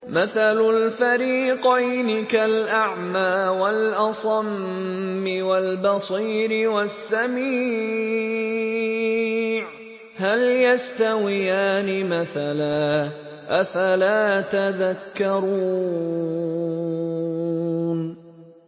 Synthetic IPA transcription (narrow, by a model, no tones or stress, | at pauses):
maθalʊlfaɾiːqɑjnɪkalʔaʕmaːwalʔɑsˤɑmː | ɪwalbɑsˤiːɾɪwasːamiː | ʕ | haljast̪awɪjaːnɪmaθalaː | ʔafalaːt̪aðakːɑɾˤuː | n